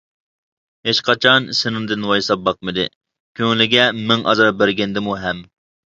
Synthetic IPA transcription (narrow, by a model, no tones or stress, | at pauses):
het͡ʃqʰɑt͡ʃʰɑnsɪnɨŋd̪ɪnwɑjsɑp̚bɑq̚mɨd̪ɨ̰ | kʲʰøŋlɪɡʲɛmɪŋʔɑ̰zɑɾbæɾɡʲɛnd̪ɪmuɦɛm